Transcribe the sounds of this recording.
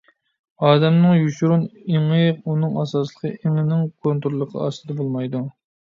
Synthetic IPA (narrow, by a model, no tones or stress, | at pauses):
ɑːd̪ɛmnɨŋjuʃuɾuneŋəqunɨŋɑsɑslˠəqʰəʔeŋɪnɪŋkʰont̪ɾulˠːəqʰə̰ɑ̰st̪ɨd̪ɛbolˠmɑjd̪u